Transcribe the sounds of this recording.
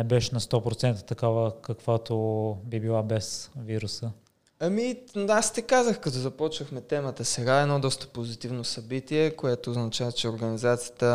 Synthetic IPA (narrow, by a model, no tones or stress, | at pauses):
ɛbɛʃɛnɐst̪ɔpɾot̪sɛnt̪ət̪ɐkavəkɐkvat̪obibilˠabɛsviɾusə | ɐmiast̪ɛkazəxkɐt̪ɔzɐpɔt͡ʃvəxmɛt̪ɛmət̪əsɛɡaɛnɔd̪ɔst̪ə̥pozit̪ivnosɐbit̪iɛkoɛt̪oːznɐt͡ʃavət͡ʃɛoɾɡɐnizat̪sijət̪ə